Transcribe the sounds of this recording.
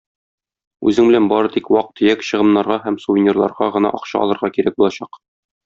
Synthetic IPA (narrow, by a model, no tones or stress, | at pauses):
ʉ̰zɘŋbɘ̆lænbɒɾɤt̪ikwɑq̚t̪ːɵ̆jækɕɤ̆ʁɤ̆nːɑɾʁɑɦæmsuvʲinʲerlˠɑ̰ɾʁɑʁɤ̆nɑ̰ʔɒqɕɑ̰ɒ̰lˠɤ̆ɾʁɑkiɾæk̚bulˠɑɕɑq